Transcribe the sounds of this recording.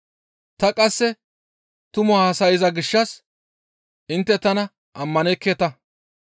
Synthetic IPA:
t̪ɐkʼɐsːɛ | t̪ʊmʊahɐsɐjɪzɐɡɪʃːɐs | ʔɪnt̪ːɛt̪ɐnɐ | ʔɐmːɐnɛkːeːt̪ɐ

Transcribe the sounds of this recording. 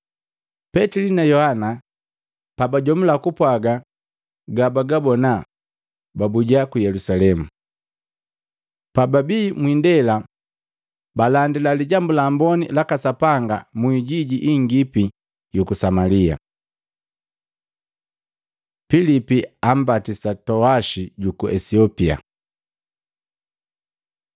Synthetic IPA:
pɛtilinajɔhana | pabaɟɔmulakupwaɡa | ɡabaɡabɔna | babuɟakujɛlusalɛmu | pababimwiːndɛla | balandilaliɟambulambɔnḭlakasapaŋɡamuiɟiɟiʔiŋɡipi | jukusamalia | pilipiam̩batisatɔaʃiɟukuʔɛsiɔpia̰

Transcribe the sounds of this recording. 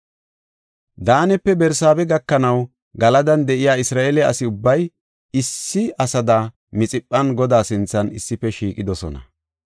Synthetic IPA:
d̪aːnɛpːɛbɛɾsaːbɛɡɐkːɐnɐw | ɡɐlɐd̪ɐnd̪ɛʔɪjaːɪsɾaːʔelɛɐ̰sɪʊbːɐj | ɪsːɪɐsɐd̪a | mɪt͡sʼɪpʼːɐnɡɔd̪aːsɪnt͡sːɐnɪsːɪpːɛʃiːkʼɪd̪ɔsɔ̰nɐ̰

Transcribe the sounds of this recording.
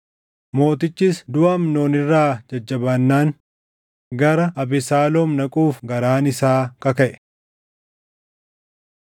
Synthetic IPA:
mo̞ːt̪ɪt͡ʃːiːsd̪ʊʔɐmnoːnɪrːaːd͡ʒɐd͡ʒːɐbɐnːaːŋ | ɡɐɾɐʔɐbɪsaːloːmnɐkʼuːfɡɐɾaːnɪsaːkɐkɐʔɛ̥

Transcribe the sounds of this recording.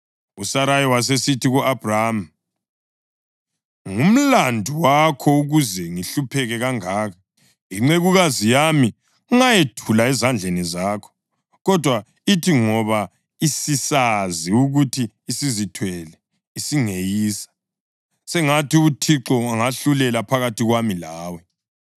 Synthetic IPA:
usaɾajiwas̬esitʰiɣuʔab̥ʱrama | ŋum̩landʱuwakʰɔuɣuzɛŋiɬupʰɛɣɛɣaŋaːka | iŋ͡ǀeɣuɣazijami | uŋajetʰulaɛzand͡ɮʱenizaːkʰɔ̥ | ɣɔd̥ʱwa | itʰiŋɔβa | isisaziuɣutʰiːsizitʰwɛlɛ | isiŋejiːsḁ | sɛŋatiutʰiǁɔaŋaɬulɛlapʰaɣatiɣwamilaːwɛ

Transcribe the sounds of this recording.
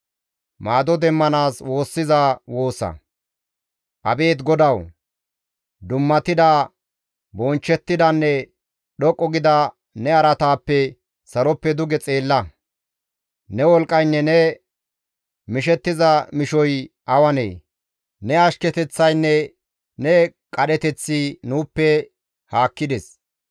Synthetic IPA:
maːd̪ɔd̪ɛmːɐnaːswo̞ːsːɪzawo̞ːsːɐ̰ | ʔɐbe̞ːt̪ɡɔd̪ɐw | d̪ʊmːɐt̪ːɪd̪a | bɔnt͡ʃːɛt̪ːɪd̪ɐnːɛ | ɗɔkʼːɔɡɪd̪ɐ | nɛɐɾɐt̪aːpːɛ | sɐɾɔpːɛd̪ʊɡɛt͡sʼeːlːɐ | nɛwɔlkʼːɐjnːɛnɛ | mɪʃɛt̪ːɪzɐmɪʃɔj | ʔɐwɐnḛː | nɛɐʃkɛt̪ɛt͡sːɐjnːɛ | nɛkʼɐɗɛt̪ɛt͡sːɪnuːpːɛ | haːkːɪd̪ɛs

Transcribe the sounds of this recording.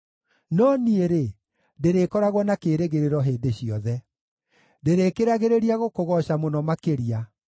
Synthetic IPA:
nɔnieɾe | deɾekɔɾaɣwɔnakeːɾeɣeɾeɾɔɦeːdeɕijɔðɛ | deɾekeɾaɣeɾeɾiaɣokoɣɔɕamonɔmakeɾia

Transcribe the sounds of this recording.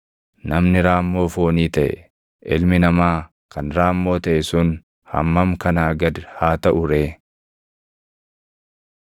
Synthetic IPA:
nɐmnɪɾaːmːo̞ːfo̞ːniːt̪ɐʔɛ̰ | ʔɪlmɪnɐmaː | kɐnɾaːmːo̞ːt̪ɐʔɛsʊn | hɐ̰mːɐmkɐnaːɡɐd̪haːt̪ɐʔʊɾeː

